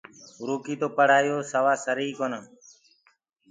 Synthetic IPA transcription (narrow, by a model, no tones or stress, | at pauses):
ɾuːkiːt̪oːpəɽ̤aːjoːsəʋaːsəɾiːkoːnãː